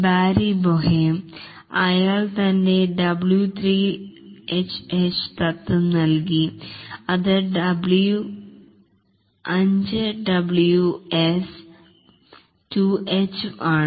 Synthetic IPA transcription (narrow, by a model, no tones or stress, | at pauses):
baːɾiboɦem | ɐjaːɭt̪ɐnde̞ɖɐbɭjut̪ʰriːet͡ɕːet͡ɕɨ̥t̪ɐt̪ːɨnɐlkiɐðɨɖɐbɭju | ɐɲd͡ʑɨɖɐbɭjues | tuet͡ɕɨaːɳ